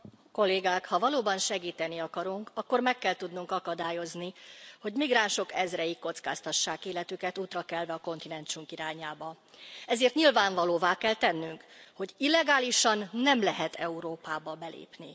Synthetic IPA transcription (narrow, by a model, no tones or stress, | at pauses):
ko̞lːeːɡaːkhɒvɒloːbɒnʃɛɡiːt̪ɛniɒkɒɾuŋkɒkːo̞rmɛkːɛlt̪ud̪nuŋkɒkɒd̪aːjo̞zniho̞ɟmiɡraːnʃo̞kɛzrɛjikːo̞t̪ska̰ːst̪ɒʃːaːkeːlɛt̪ykɛt̪uːt̪rɒkɛlvɛɒko̞nt̪inɛnt͡ʃuŋkiɾaːɲaːbɒ | ɛzeːrt̪ɲilvaːɱvɒloːvaːkɛlt̪ɛnːyŋkho̞ɟilːɛɡaːliʃɒnːɛmlɛɦɛt̪ʰɛuɾoːpaːbɒbɛlḛːpni